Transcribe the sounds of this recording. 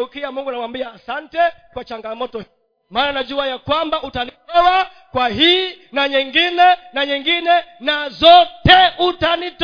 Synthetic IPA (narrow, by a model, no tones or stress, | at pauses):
ukiamuŋɡunamwambiaːsantɛkwat͡ʃaŋɡamɔtɔ | maːnanaʄuajakwambaʔutaniɛwa | kwaɦiːnaɲɛŋɡinɛnaɲɛŋɡinɛnazɔtɛutanit